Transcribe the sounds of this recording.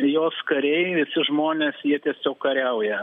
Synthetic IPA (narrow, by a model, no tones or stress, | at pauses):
joːskɐɾʲɛɪʋʲɪsʲɪʒmoːnʲeːsjiɛt̪ʲiɛsʲoːkkɐɾʲɛʊjɛ